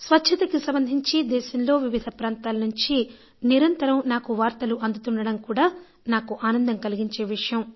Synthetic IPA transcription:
sʋɐtːʃʰɐt̪ɐkisɐmbɐnd̪ʱiɲt͡ʃid̪ɛːʃɐmlo̞ːʋiʋid̪ʱɐpɾaːnt̪aːlɐnuɲt͡ʃi | niɾɐnt̪ɐɾɐmnaːkuʋaːɾt̪ɐluʔɐnd̪ut̪uɳɖɐɽɐmkuːɽaː | naːkuʔaːnɐnd̪ɐmkɐliɡiɲt͡ʃeːʋiʂɐjɐm

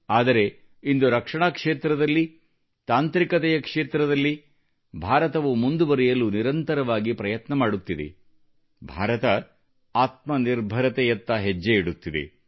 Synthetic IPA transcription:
aːd̪ɐɾe̞ | ind̪uɾɐkʂɐɳaːkʂe̞ːt̪ɾɐd̪ɐlːi | t̪aːnt̪ɾikɐt̪ɛjɐkʂe̞ːt̪ɾɐd̪ɐlːi | bʱaːɾɐt̪ɐʋumund̪ubɐɾɛjɐluniɾɐnt̪ɐɾɐʋaːɡipɾɐjɐt̪nɐmaːɽut̪ːid̪ḛ | bʱa̰ːɾɐt̪ɐ | aːt̪̚mɐniɾbʱɐɾɐt̪ɛjɐt̪ːɐɦed͡ʒːeiɽut̪ːid̪ḛ

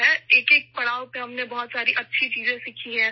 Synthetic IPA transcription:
ɦɛeːkeːk̚pɐɽaːopeɦɐmnebɐɦɔt̪saːɾiʔɐtːʃʰit͡ʃiːzẽsikʰiɦɛ̃ː

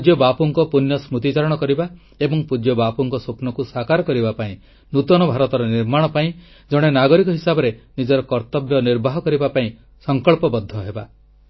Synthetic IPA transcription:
d͡ʒjɔbapuŋkɔpunjɔsmut̪it͡ʃaɾɔɽ̃ɔkɔɾiba | ebɔŋpud͡ʒjɔbapuŋkɔsupnɔkusakaɾɔkɔɾibapaĩ | nut̪ɔnɔbʱaɾɔt̪ɔɾɔniɾmaɽ̃ɔpaĩ | d͡ʒɔɽ̃enaɡɔɾikɔɦisabɔɾenid͡ʒɔɾɔkɔɾt̪ɔbjɔniɾbʱaɦɔkɔɾibapaĩ | sɔŋkɔɭpɔbɔd̪ʱːɔɦeba

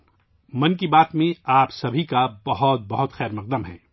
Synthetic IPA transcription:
mɐ̃nkibaːt̪mẽaːpsɐbʱikabɐɦɔt̪̚bɐɦʊt̪xɛːɾmɐq̚d̪əmɦɛ̰̃ː

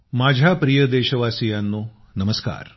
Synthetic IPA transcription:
mad͡ʑʱjapɾijəd̪eɕəʋasijanːo | nəməska̰ːɾ

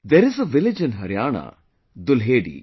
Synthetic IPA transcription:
d̪ɛɾɪzəʋɪlɪd͡ʒɪ̃nɦɐɾjaːna̰ | d̪ʊlɦeːɖḭ

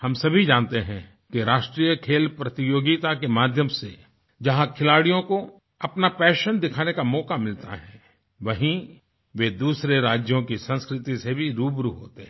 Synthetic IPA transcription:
hɐmsɐbʱid͡ʒãːnt̪eɦɛ̃ | kiɾaːʃʈɾiːjəkʰeːlpɾɐt̪ijoːɡit̪akemaːd̪ʱjəmse | d͡ʒɐɦãkʰɪlaːɽijõko | ɐpnapɛːʃənd̪ɪkʰaːnekamɔːkamɪlt̪a̰ɦɛː | ʋɐɦĩ | ʋed̪uːsɾeɾaːd͡ʒjõkisɐ̃nskɾɪt̪isebʱiɾuːbɾuɦo̰ːt̪eɦɛ̃

